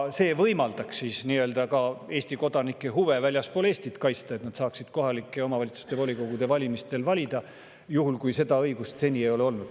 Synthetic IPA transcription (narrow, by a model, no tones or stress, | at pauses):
se̞ːvɤjmɑld̪̥ɑksisniø̞ld̪ɑkɑe̞ːsʲt̪iko̞d̪̥ɑnikːˑeɦuve̞vælʲjɑspo̞le̞ːsʲt̪it̪kɑjst̪ɑet̪nɑd̪̥sɑːksid̪̥ko̞ɦɑlikːˑeo̞mɑvɑlʲit̪su̥st̪e̞vo̞lʲiko̞ɡ̥ud̪̥e̞vɑlʲimist̪e̞lvɑlʲid̪̥ɑ | juɦulkujse̞d̪̥ɑɤjɡ̥ust̪se̞nʲiejo̞leo̞lnud̪̥